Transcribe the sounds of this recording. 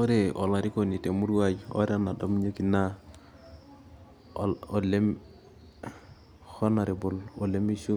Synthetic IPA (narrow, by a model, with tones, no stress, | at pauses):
o˦ɾe˨o̰˨la˨ɾi˦ko˨ni˨te˨mu˦ɾwa˦d͡ʒo̰˦ɾe˦a˦na˨do˦m˦ɲe˦ki˨na˦˨ | le˦m | hɔ˦na˨ɾe˨bo˨lo˨le˦mi˦ʃu˦